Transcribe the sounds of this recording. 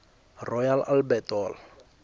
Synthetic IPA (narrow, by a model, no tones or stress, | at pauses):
rɔjalalbɛtɔːl